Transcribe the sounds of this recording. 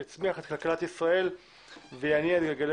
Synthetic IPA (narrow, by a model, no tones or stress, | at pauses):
at͡smiaχet̪kalkalat̪isʁae̞l | vejaniaet̪ɡaɡale